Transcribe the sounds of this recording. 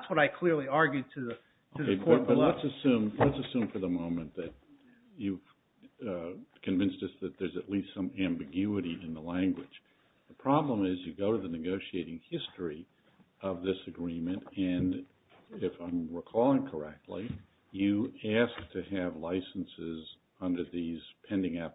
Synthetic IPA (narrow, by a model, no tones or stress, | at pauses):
ðætswʌɾaɪkʰl̥ɪɹliɑɹɡjʉd̚tʰɨðɨ | oʊkʰeɪbʌtlətsɨsʉ̃mlətsɨsʉ̃ɱfə˞ðəmõʊ̃mɨ̃nðɨt͡ʃ̚ | ʉv̥ | kʰɨ̃ɱvɪ̃nsðɨsðɨt̪̚ðə˞zɨtˡlistsʌ̃mæ̃mbɨɡjʉɨɾiɨ̃nðəlæ̃ŋɡwɨd̥d͡ʒ̥ | ðəpʰɹ̥ɑblə̃mɪzjɨɡoʊɾɨðɨnɨɡoʊʃieɪɾɪ̃ŋhɪstɹ̥i | ʔʌvðɪsɨɡɹĩmɨ̃ntɨ̃n | ɪfãɪ̃mɹəkʰɔlˠɪ̃ŋkʰə˞ɛk̚tˡli | jɨæsk̚tʰɨɨvlaɪsn̩sɪz | ʌ̃ndə˞ðiz̥pʰɛ̃ndɪ̃ŋʌp̚